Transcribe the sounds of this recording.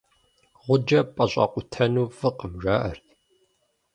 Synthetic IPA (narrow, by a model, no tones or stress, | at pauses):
ʁʷʊd͡ʒɐpʼɐɕʷʼɑ̰qʷʊtʰɐnuːfɨqəmʒaːʔɐr